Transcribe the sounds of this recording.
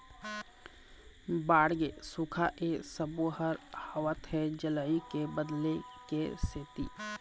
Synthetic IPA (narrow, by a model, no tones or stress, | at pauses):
baːɽɡesukʰaʔesəboɦəɾhəwət̪ɦɛ̃d͡ʒəlaːikebəd̪lekeseːt̪ḭː